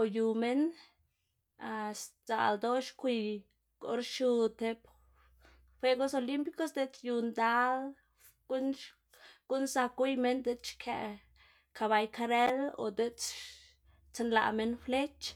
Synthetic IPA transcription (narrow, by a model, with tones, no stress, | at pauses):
o˨ju˨me˦n | a˧sza̰˨ld̪o˦ʃkʷi˧ | ɡo̰˧ɾʃu˧t̪e˧p | fʷe˧˦ɡo˦so˧li˦mpi˦ko˦sd̪e˦t͡ʃju˧nd̪a˦l | ɡ̥u˦n | ɡ̥u˦nsa˧kʷi˦jme˦nd̪e˧t͡ʃkʰa̰˧ | ka˧βa˧jka˧ɾe˦lo̰˨d̪e˦t͡ʃ | t͡se˧nla̰˧me˧nfle˦t͡ʃ